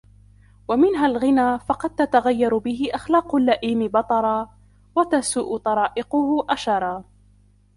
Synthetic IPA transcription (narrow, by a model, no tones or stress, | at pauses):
wamɪnɦalɣɪnaːfɑqɑd̪̚t̪at̪aɣajːɑɾbɪɦɪʔaxlaːqʊlːaʔiːmɪbɑt̪ˤɑɾˤɑː | wat̪asʊʔʊt̪ˤɑɾˤɑːʔɪqʊhʊʔaʃɑɾˤɑː